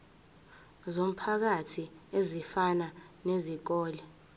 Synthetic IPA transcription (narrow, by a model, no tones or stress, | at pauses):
zom̩pʰak̬atʰiezifananezik̬ɔːlɛ